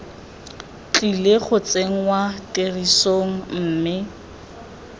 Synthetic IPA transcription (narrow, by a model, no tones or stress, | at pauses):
t͡ɬʼileχʊt͡seŋ̩watʼerisoŋ̩m̩ːmɪ